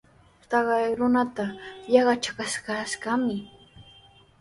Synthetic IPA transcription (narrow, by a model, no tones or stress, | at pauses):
sɑɢɑjɾʊnat̪ajɑɢɑt͡ʃakaʃkaʃɢamɪ